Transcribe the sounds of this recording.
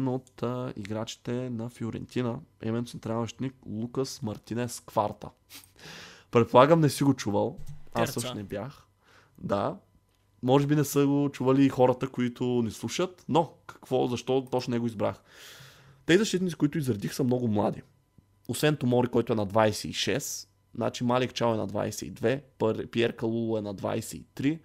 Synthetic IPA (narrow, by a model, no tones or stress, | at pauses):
not̪ḭɡɾat͡ʃi̥t̪ɛnɐfjʊɾɛ̰nt̪inəɛ̰vɛnosɛnt̪ɾanvɐʃt̪niklˠukəsmɐɾt̪inɛskva̰ɾt̪ə̰ | pɾɛt̪̚polˠaɡəmnɛsiɡot͡ʃuvəlˠasəʃnɛbjax | d̪a̰ | mɔʒɛbinɛsəɡot͡ʃuvəliːxɔɾət̪əkoit̪ʊnɛslˠuʃət̪nokɐ̥kv̥ɔzɐʃt̪ɔt̪ɔt͡ʃnnɛɡoizbɾa̰x | t̪ɛzizɐʃt̪it̪nit̪ikʊit̪ʊizɾɐd̪ixsəmnɔɡʊmlˠa̰d̪i | osvɛnt̪omɔɾikɔjt̪ʊɛnɐd̪vajsɛḭʃɛs | na̰t͡ʃimalik̚t͡ʃawɛnɐ̰d̪va̰jsɛ̰ḭd̪vɛpɾpiɛɾkɐlˠulˠʊɛnɐd̪va̰jsɛḭt̪ɾi